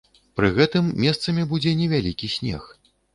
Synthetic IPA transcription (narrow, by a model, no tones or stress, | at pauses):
pɾɨɣɛt̪ɨmːʲɛst̪sɐmʲibud͡zʲɛnʲɛvʲalʲikʲisʲnʲɛ̰x